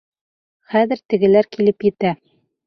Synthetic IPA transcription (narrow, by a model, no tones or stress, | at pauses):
χæðɘ̆ɾt̪ɘ̆ɡɘ̆læɾkilɘpjɘ̆t̪æ